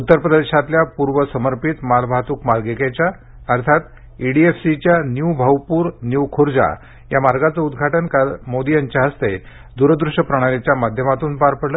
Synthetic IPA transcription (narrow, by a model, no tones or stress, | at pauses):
ut̪ːəɾpɾəd̪eʂat̪ljapuɾʋəsəməɾpit̪malbʱat̪uːkmaɾɡeket͡ɕa | əɾt̪ʰat̪ | iɽiefsit͡ɕjanjubʱəʋpuːɾnjuwkʰoɾd͡za̰ | jamaɾɡat͡səud̪ɡʱaʈənkamod̪ijaɲt͡ɕjaɦəst̪e | d̪uɾəd̪ɾuʂəpɾəɽ̃alit͡ɕjamad̪ʱjəmat̪uːnpaɾpəɽlə